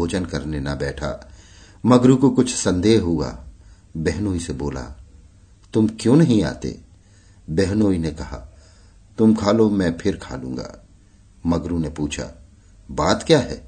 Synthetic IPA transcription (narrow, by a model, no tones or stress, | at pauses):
oːd͡ʒənkɐɾnenɐbɛːʈʰa̰ | mɐɡɾukokʊt͡ʃʰsɐ̃nd̪eːɦɦua̰ː | bɛɦnoːiseboːla̰ | t̪ʊmkjõːnɐɦĩa̰ːt̪ḛː | bɛɦnoːinekɐɦa̰ː | t̪ʊmkʰaːlomɛ̃pʰɪɾkʰa̰ːlṵ̃ːŋɡa̰ː | mɐɡɾunepuːt͡ʃʰa̰ | baːt̪kjaːɦɛ̰ː